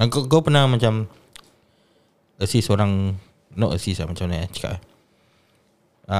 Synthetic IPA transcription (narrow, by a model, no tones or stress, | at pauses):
aɡoɡopənamat͡ʃam | əsisoɾaŋ | nɔʔəsislamat͡ʃamnaat͡ʃə̥ka̰ʔ | a